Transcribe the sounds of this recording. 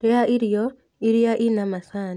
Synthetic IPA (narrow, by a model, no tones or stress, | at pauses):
aʔiɾjɔ | iɾijaʔinamasaːn